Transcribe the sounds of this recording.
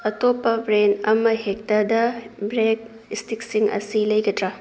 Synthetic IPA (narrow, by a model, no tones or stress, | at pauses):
ɐtopːɐbɾenɐmɐhek̚tɐdɐbɾek̚ | istik̚siŋɐ̰silɐjɡɐtɾɐ